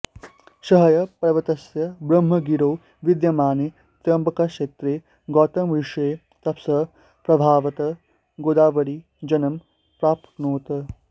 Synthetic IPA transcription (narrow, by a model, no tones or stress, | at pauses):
ʃɐɦɐjɐpɐɾɐʋɐt̪ɐsjɐbɾɐmɦɐɡiɾow | ʋid̪jɐmaːne | t̪jɐmbɐkɐʃeːt̪ɾeː | ɡɔːt̪ɐmʋiʂeː | t̪ɐpsɐ | pɾɐbʱaːʋɐt̪ɐ | ɡoːd̪aːʋɐɽi | d͡ʒɐnɐm | pɾaːpknoːt̪ɐ